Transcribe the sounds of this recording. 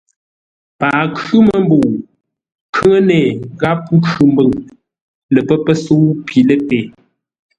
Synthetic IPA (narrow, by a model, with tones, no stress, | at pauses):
paː˨kʉ˦mə˦˨m˦bo˨ | kʰə˦ŋə˦nɛː˨ɣa˦pu˦kʰʉ˨m˦bə˦˨ŋ | lə˨pə˦pə˦so˦pi˨lə˦pe˨